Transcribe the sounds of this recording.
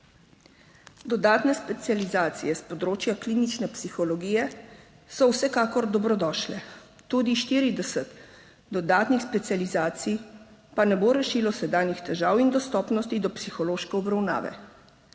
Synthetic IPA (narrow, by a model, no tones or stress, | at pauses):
d̪ɔd̪aːt̪nɛspɛt̪sializaːt̪sijɛspɔd̪ɾoːt͡ʃjakliːnit͡ʃnɛpsixɔlɔɡiːjɛ | sɔwsɛkaːkɔɾd̪ɔbɾɔd̪ɔːʃlɛ | t̪uːd̪iʃt̪iːɾid̪ɛsət̪ | d̪ɔd̪aːt̪nixspɛt̪sijalizaːt̪sijpanɛboːɾɛʃilɔsɛd̪aːnjixt̪ɛʒaːwind̪ɔst̪ɔːpnɔst̪id̪ɔpsixɔloːʃkɛɔbɾawna̰ːʋɛ̰